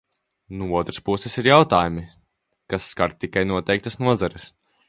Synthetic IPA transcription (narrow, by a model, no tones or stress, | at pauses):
nuuɔt̪ɾaspusɛsiɾjawt̪aːjumi | kasːkaɾt̪̚ːikajnuɔt̪ɛjk̚t̪ɐsnuɔzaɾɪs